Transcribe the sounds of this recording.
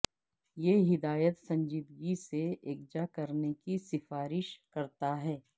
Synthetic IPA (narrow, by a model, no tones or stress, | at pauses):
jeɦɪd̪aːjət̪sɐ̃ɲd͡ʒiːd̪ɡiseeːk̚d͡ʒakɐɾnekisɪfaːɾɪʃkɐɾt̪aɦɛː